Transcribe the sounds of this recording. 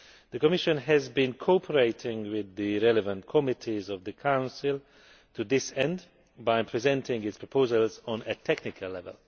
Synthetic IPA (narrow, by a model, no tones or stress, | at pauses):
ðəkɔmɪʃə̃nɦɛzbĩnkʰopʰəɹeɪtʰɪ̃ŋwɪðɨɹɛlɛvə̃ntkʰɔmɪtʰizɔvðəkʰãʊ̃nsɪlˠ | tʰuðɪsɛ̃nd | baɪpʰɹizɛ̃ntʰɪ̃ŋɪtspʰɹɔpʰoʊzəlˠz̃nɨtʰɛknɪkʰəlːɛvə̰lˠ